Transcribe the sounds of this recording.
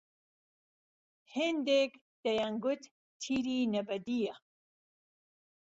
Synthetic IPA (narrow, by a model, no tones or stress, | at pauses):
hend̪ek | d̪̥ɐjaŋɡʊt̪ | t̪ʰiɾiːnɐbɐd̪ija